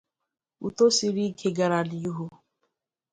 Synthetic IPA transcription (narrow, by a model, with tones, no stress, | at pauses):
ṵ˨t̪o˦si˨ɾi˦kʰe˨ɡa˨ɾa˨li˨ju˦ɦo˦